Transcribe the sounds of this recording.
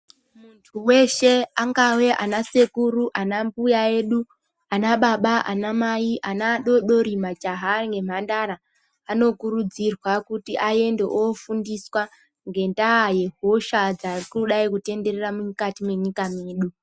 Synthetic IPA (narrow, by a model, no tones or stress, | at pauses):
muntʰuwe̞ʃe̞aŋɡawe̞ʔanase̞kuɾuʔanambujae̞ːɗu | anaɓaɓaʔa̰namaiʔanaɗo̞ɗo̞ɾimad͡ʒaɦaŋɡe̞m̤andaɾaː | no̞kuɾud͡zirwakutiʔaje̞ndeʔofundiswa | ŋɡe̞ndaːje̞ɦo̞ʃad͡zarikuɗaikute̞nde̞reramukatime̞ɲikame̞ːɗu